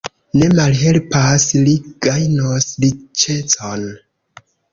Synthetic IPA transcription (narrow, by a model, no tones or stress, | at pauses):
ne̞malɦe̞lpasliɡ̥ajnoslit͡ʃe̞t͡son